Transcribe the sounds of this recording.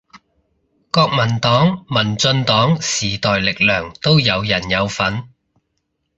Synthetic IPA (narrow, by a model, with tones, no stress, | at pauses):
kɔː˧k̚mɐ˨˩nt̪ɔː˨˥ŋmɐ˨˩nt͡sɵ˧nt̪ɔː˨˥ŋsiː˨˩t̪ɔː˨jlɪ˨k̚lœː˨˩ŋt̪o˥wjɐ˨˧wjɐ˨˩njɐ˨˧wfɐ˨˥n